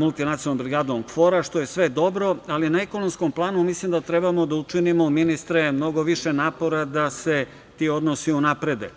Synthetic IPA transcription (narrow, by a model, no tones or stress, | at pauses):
mulˠt̪inat̪sionombɾiɡaːd̪omkfo̞ɾaʃt̪o̞je̞sʋe̞d̪o̞bɾo̞alinaeko̞nomskomplˠaːnumislimd̪at̪ɾe̞bamo̞d̪aut͡ʂinimo̞minist̪ɾemno̞ɡo̞ʋiʃenaːpo̞ɾad̪ase̞ | t̪io̞d̪nosiunapɾe̞d̪e